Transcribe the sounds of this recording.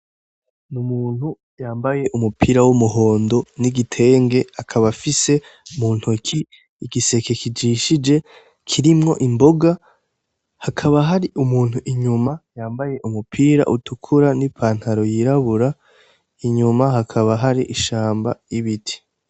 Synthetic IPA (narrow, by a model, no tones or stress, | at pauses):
numuːn̥hu | jaːmbaje̞ʔumupʰiːɾawumuɦo̞ːndo̞niɡitʰe̞ːŋɡeakʰaβafise̞umuːn̥hukʰiː | ɡise̞ke̞kid͡ʒiʃid͡ʒe̞ | kʰiɾimŋo̞̰ʔimbo̞ɡa | hakʰaβaɦaɾiʔumuːn̥huʔiɲumajaːmbaje̞ʔumupʰiːɾa̰ʔutukʰuɾanipʰaːnhaɾo̞jiɾaβuɾa | iɲumaɦakʰaβaɦaɾiʔiʃaːmbaiβitʰi̥